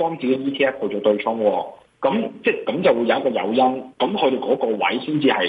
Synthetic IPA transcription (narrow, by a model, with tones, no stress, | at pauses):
ɔː˥ŋt͡si˨ke˨˥jiː˥t̪ʰiː˥ɛː˥st̪ʰo˨˧wt͡ʃɔː˨˩t̪ɵ˧ɥt͡ʃʰʊ˥ŋwɔː˧ | kɐ˨˥mt͡sɛː˥kɐ˨˥mt͡sɐ˨˩wu˨˧jɐ˨˧wɐ˥kɔː˧jɐ̰˨˧wjɐ˥nkɐ˨˥mkʰɵ˨˧ɾe˨jkɔː˨˥kɔː˧wɐ̰˨˥jsiː˥nt͡siː˧hɐ˨j